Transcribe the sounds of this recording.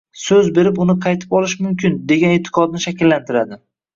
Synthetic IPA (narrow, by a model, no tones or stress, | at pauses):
sɵzbe̞ɾɪpʊnɪqʰɑjt̪ʰɪ̥pɒlˠɪʃmʊmkʲʰɪnd̪e̞ɡʲanet̪ʰːɪ̥qʰɒd̪nɪʃakʲɪlːant̪ʰɪɾad̪ɪ